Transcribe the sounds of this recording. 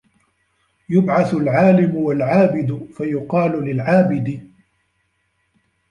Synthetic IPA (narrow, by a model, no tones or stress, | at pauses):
jʊbʕaθʊlʕaːlɪmʊwalʕaːbɪd̪fajʊqɑːlʊlɪlʕaːbɪd̪ɪ